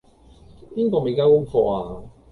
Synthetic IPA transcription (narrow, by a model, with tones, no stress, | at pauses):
piː˥nkɔː˧me˨˧kaː˧˥wkʊ˥ŋfɔː˧aː˧